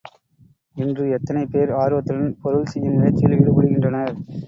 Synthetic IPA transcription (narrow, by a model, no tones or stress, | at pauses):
ɪndrɯɛt̪ːɐnɐɪpːeːɾaːɾʋɐt̪ːɯɽɐnpɔɾɯɭsɛjːɐnɪlɐɪt͡ʃːɪlʋɪɽɯpɐɽɯɣɪndrɐnɐɾ